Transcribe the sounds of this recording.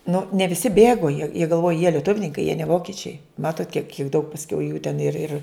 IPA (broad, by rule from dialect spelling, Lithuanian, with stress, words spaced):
nʊ nʲɛ ʋʲɪˈsʲɪ ˈbʲeːɡoː jiɛ jiɛ ɡɐlˠˈʋoːj jiɛ lʲiɛˈtʊwnʲɪŋkɐɪ jiɛ nʲɛ ˈʋoːkʲɪt͡ʃʲɛɪ ˈmɑːtoːt kʲiɛk juː dɐʊk pɐsʲˈkʲɛʊ juː tʲɛn ɪr ɪr